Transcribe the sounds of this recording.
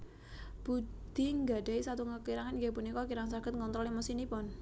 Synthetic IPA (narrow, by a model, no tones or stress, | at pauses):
b̥ud̪̥i̤ŋɡa̤ɖaisat̪uŋəkiɾaŋanɡepunikɔkiɾaŋnsaɡ̥ə̤t̪̚ŋɔnt̪ɾɔlimɔsinipʊn